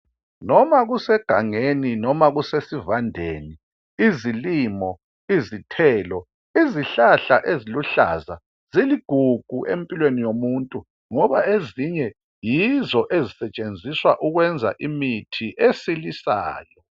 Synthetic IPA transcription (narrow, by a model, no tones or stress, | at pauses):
nɔmaɣusɛɡ̥ʱaŋeninɔmaɣusesivandʱeːni | iziliːmɔ | izitʰɛːlɔ | iziɬaɬaʔeziluɬa̰za | z̥iliɡ̥ʱuɡ̥ʱuʔḛmpʼilwenijomuntʼu | ŋɔβaeziɲɛ | jizɔʔezisɛt͡ʃʼend͡zʱiswaʔuɣwɛnd͡zʱa̰ʔimitʰiʔesilisa̰ːjɔ